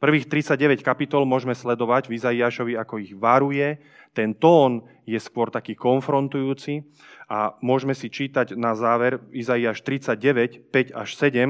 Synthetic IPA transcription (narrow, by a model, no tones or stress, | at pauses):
pr̩ʋiːxt̪ɾit͡saɟɟɛʋɛckapit̪ɔlmʊɔʒmɛslɛd̪ɔʋaɟvizaiaːʃɔʋiakɔiɣʋaɾujɛ | t̪ɛnt̪ɔːn | jɛskʊɔɾt̪akiːkɔnfɾɔnt̪ujuːt͡si | ʔamʊɔʒmɛsit͡ʃiːt̪aɟnazaːʋɛɾizaiaːʃt̪ɾit͡saɟ̚ɟɛʋɛcpɛɟa̰ʃsɛɟɛm